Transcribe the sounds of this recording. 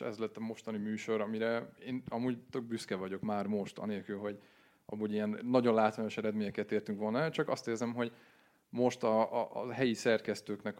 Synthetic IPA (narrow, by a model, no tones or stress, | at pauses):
ɛ̰zlɛt̪ːɒmo̞ʃt̪ɒnimyːʃo̞ɾɒmiɾɛeːnɒmuːɟt̪ø̞ɡ̚byskɛvɒɟo̞kmaːrmo̞ʃt̪ɒ̰neːlkylɦo̞ɟ | ɒ̰muːɟijɛnːɒɟo̞nlaːt̪ʋaːɲo̞ʃɛɾɛd̪meːɲɛkɛt̪eːrt̪yŋkʋo̞lnɒɛlt͡ʃɒkɒst̪eːrzɛmɦo̞ɟ | mo̞ʃt̪ɒɦɛjisɛrkɛst̪øːknɛk